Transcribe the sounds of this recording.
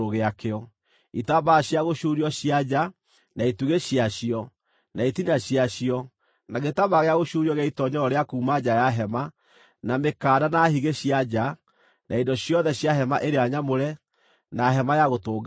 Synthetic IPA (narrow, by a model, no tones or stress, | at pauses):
oɣeakeɔ | itabaɕjaɣoɕuɾiɔɕiad͡ʑa | naituɣeɕiaɕiɔ | naitinaɕiaɕiɔ | naɣetaβaɣeaɣoʃuɾiɔɣeaitɔɲɔɔɾeakuːmad͡ʑajaɦɛma | namekaːdanahiɣeɕiad͡ʑa | nʔaindɔɕjɔðɛɕjaɦɛmaʔeɾeaɲamoɾɛ | naɦɛmajaɣotoːɡ